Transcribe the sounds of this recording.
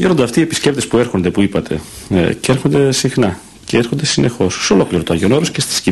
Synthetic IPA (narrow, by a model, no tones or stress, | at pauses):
ʝeɾond̪eɐft̪iepi̥scept̪e̞spue̞ɾxo̞nd̪e̞puipɐt̪ʰe̞̰ceeɾxond̪e̞sixnɐ | ceeɾxond̪esinʔe̞xo̞sːeolo̞kliɾot̪oɐʝo̞noɾoscest̪i̥sci